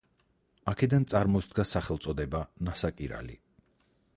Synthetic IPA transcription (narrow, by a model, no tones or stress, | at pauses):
akʰɛd̪ant̪sʼaɾmɔsd̪̚ɡasaχɛlˠt̪sʼɔd̪ɛbanasakʼiɾa̰lḭ